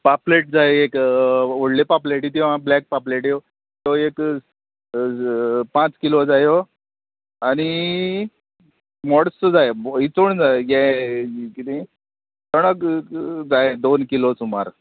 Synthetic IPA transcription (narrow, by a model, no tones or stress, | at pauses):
papleʈ̚d͡zajekʋoɽlepapleʈ̬it̪̬iʋ̤ãblɛk̚papleʈjo | t̪oek | pãt͡skilod͡zajo | aɽ̃i | mɔɽsəd͡zajeit͡soɳd͡zajɛ̃ | kit̪i | t̪əɽ̃əkd͡zaed̪onkilosuma̰ɾ